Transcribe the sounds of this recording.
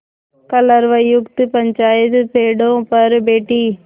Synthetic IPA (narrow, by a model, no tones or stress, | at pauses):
kɐlɐɾʋɐjʊkt̪ɯpɐɲt͡ʃaːjɐt̪ɯpeːɽõpɐɾbeːʈːi